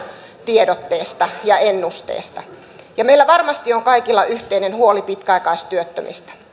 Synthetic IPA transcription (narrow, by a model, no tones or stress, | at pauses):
t̪iedot̪ːeːst̪ɑjɑenːust̪ḛˑːst̪ɑ | jɑmeilːæʋɑrmɑst̪ioŋkɑikilːɑʔyht̪einenhuolipit̪kæɑikɑist̪yøt̪ːø̰mʔḭst̪æ̥